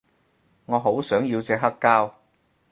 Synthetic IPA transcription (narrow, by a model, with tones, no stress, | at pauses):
ŋɔː˨˧ɦo˨˥wsœː˨˥ŋji˧wt͡sɛː˧kɦɐ˥kːaː˥w